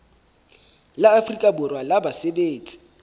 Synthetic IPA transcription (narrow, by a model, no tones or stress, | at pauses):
laafrikʼabʊrwalabasebeːt͡sʼi̥